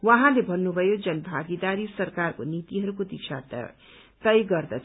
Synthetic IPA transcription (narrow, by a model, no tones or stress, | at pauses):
wʌɦãlebʱʌnːubʱʌjod͡zʌnbʱaɡid̪aɾisʌrkarkonit̪iɦʌɾukod̪it͡sʰa̰t̪ | t̪ʌjɡʌrd̪ʌt͡s